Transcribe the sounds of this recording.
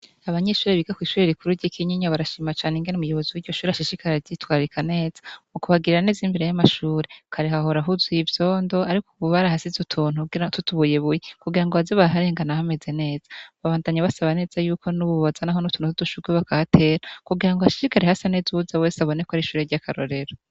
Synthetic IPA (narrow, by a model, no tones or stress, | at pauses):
aβaɲe̞ʃuːɾeβiɡakwiːʃuːɾeɾikuɾuɾɟikʰiɲiɲaβaɾaʃiːmat͡ʃaːneŋɡenumujo̞βo̞ziwiɾɟo̞ʃuːɾeaʃiʃikaɾeɾɟitwaːɾikane̞ːz̥ḁukuβaɡiɾiɾane̞ːzimbeɾe̞jamaʃuːɾe̞kʰaɾehaho̞ɾaɦuzwiivjo̞ːndo̞aɾikuβuβaɾaɦasizutʰuːnukuɡiɾatutuβujeβujekuɡiɾaŋɡoβazoβaaɦaɾe̞ːŋɡanahame̞ze̞ne̞ːz̥ḁβaβaːndaɲaβasaβane̞ːz̥ajuːkʰo̞nuβuββazanaɦo̞nutunutuduʃuɡweβakahatʰe̞ːɾakuɡiɾaŋɡohaʃi̥ʃikaɾehasanezuhuzawe̞ːseaβo̞ne̞kohaɾiʃuːɾeɾɟakʰaɾo̰ɾe̞ɾo